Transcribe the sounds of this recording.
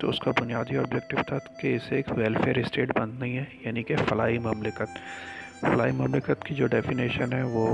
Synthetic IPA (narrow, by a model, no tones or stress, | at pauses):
t̪o̰ʊskabʊnijaːd̪iɔːbd͡ʒɛk̚ʈɪʋt̪ʰakeɪseːkʋɛlfeːəɾɪsʈeːʈbɐ̃nd̪naɦĩɦɛjaːnikefɐlaːimʊmlɪkət̪ | fɐlaːimʊmlɪkət̪kid͡ʒoːɖɛːfiniːʃənɦɛʋo